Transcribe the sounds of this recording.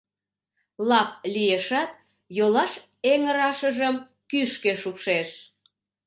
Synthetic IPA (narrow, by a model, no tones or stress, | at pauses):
lɑp̚lijeʃɑt̪̚ | jolɑʃ | eŋəɾɑʃəʒəm | kyʃkeʃupʃeʃ